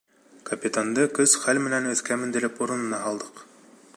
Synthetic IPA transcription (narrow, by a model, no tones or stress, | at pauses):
kɐpʲit̪and̪ɤkɵzχælmɘ̆nænɵ̆θkæmɘ̆nd̪ɘ̆ɾɘpuɾɤ̆nɤ̆nɑɦɑlˠd̪ɤq